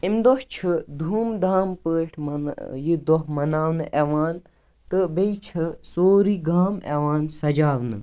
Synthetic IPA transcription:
imd̪oht͡ʃʰɨd̪ʱuːmd̪aːmpəːʈʰmɐnjid̪ɔɦmɐnaːʋnɨʔeʋaːn | t̪ɨbejt͡ʃʰɨsoːɾiɡaːmḛʋaːnsɐd͡ʒaːʋnɨ̰

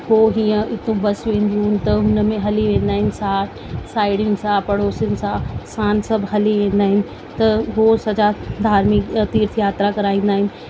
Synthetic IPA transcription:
ɦoɦiːə̃ɪt̪õbɐsʋẽːn̆d̪iɦʊnɪ̆t̪ɐɦʊnəmẽɦɐliʋẽːn̆d̪aːɦɪnɪ̆sãːʈ | saːɪɽʊnɪ̆sãpɐɽoːsʊnɪ̆sãsãːnsɐbʱɦɐliʋẽːnd̪aːɦɪnɪ̆ | t̪ɐɦoːsɐd͡ʑad̪ʱaːɾmikt̪iːɾt̪ʰjaːt̪ɾakɐɾaːĩːnd̪aːɦɪnɪ̆

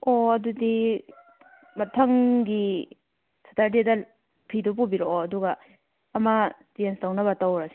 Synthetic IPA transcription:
oɐdudi | mɐtʰɐŋɡi | sɐ̥tʰaɾdidɐ | pʰidupubiɾoɐduɡɐː | mɐdenstawnɐβɐtawɾɐsi

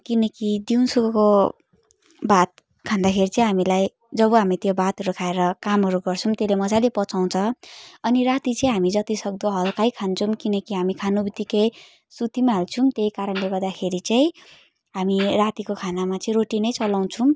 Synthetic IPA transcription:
kinʌkid̪iunsukʌko | bat̪̚ | kʰãnd̪akʰeɾit͡saĩɦamilaj | d͡zʌbʌɦamit̪jobat̪ɾukʰaeɾʌkamɦʌɾuɡʌrt͡sʰumt̪elemʌd͡zajlepʌt͡saw̃t͡sʰʌʌniɾat̪it͡sʌĩɦamid͡zʌt̪isʌɡ̚d̪ʌɦʌlkajkʰant͡sʰumkinʌkiɦamikʰanubit̪ikej | sut̪imaɦelt͡sʰumt̪eikaɾʌnleɡʌrd̪akʰeɾit͡saĩ | ɦamirat̪ikokʰanamat͡sʌĩɾoʈinʌjt͡sʌlaw̃t͡sʰum

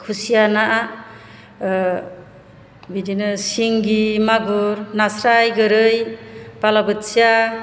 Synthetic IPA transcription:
kʰusijanaʔa | bidinɯsiŋɡimaɡɯɾnasɾajɡɯɾɯjbalabɯtsija

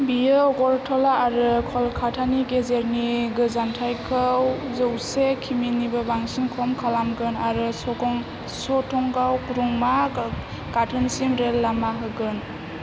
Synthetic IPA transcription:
bijɯɔɡɔɾtʰɔlaːɾɯkʰɔlkʰatʰaniɡezeɾniɡɯzantʰajkʰɯwzɯwsekʰiminibɯbaŋsimkʰɔmkʰalamɡɯnaɾɯsɔɡɔŋ | sɔtʰɔŋɡawkɾuŋma | katʰɯnsimɾelːamaɦɯɡɯn

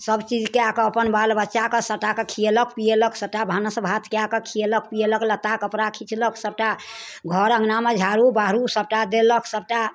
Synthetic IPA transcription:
səbt͡ʃid͡ʒkeakəəpənbalbətːʃakesəʈakekʰijeləkpijeləksəb̚ʈabʱanəsəbʱat̪keakəkʰijelək̚pijeləklət̪akəpɾakʰit͡ʃʰləksəb̚ʈa | ɡʱɔɾə̃ŋɡnamed͡ʒʱaɾubaɦɾusəb̚ʈad̪eləksəb̚ʈa

